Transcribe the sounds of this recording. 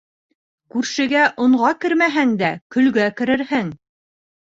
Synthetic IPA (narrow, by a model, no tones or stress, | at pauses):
kʉɾʃɘ̆ɡæʔŏɴʁɑkɘɾmæɦæŋd̪ækɵ̆lɡækɘ̆ɾɘ̆ɾhɘŋ